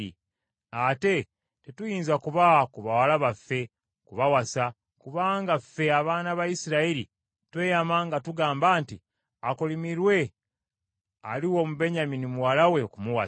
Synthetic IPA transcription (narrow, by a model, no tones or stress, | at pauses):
ḭ | ate̞ | te̞tujiːnzakuβakuβawalaβafːe̞ | kuβawasa | kuβaːŋɡafːe̞aβaːnaβajisiɾaiɾḭ | twe̞jamaːŋɡatuɡaːmbaːnti | akolimiɾwe̞ | a̰liwo̞muβe̞ɲaminimuwalawe̞kumuwa